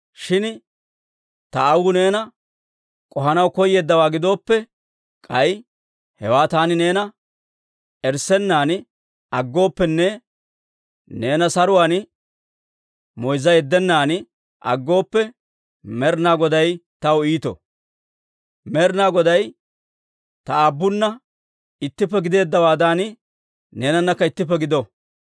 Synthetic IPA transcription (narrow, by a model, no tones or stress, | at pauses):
ʃɪn | t̪ɐːwɡʊne̞ːnɐ | kʼɔɦɐnɐwkɔjːe̞ːd̪ːɐwaːɡɪd̪o̞ːpːɛ | kʼɐj | hɛwaːt̪aːnɪne̞ːnɐ | ɛɾsɛnːaːn | ɐɡːo̞ːpːɛnːɛ | ne̞ːnɐsɐɾʊwaːn | mɔjzɐjɛd̪ːɛnːaːn | ʔɐ̰ɡːo̞ːpːɛ | mɛɾnaːɡɔd̪ɐjt̪ɐwiːt̪ɔ̰ | mɛɾnaːɡɔd̪ɐj | t̪ɐabːʊnːɐ | ɪt̪ːɪpːɛɡɪd̪e̞ːd̪ːɐwaːd̪anɪ | ne̞ːnɐnːɐkːɐɪt̪ːɪp̬ːɛɡɪd̪ɔ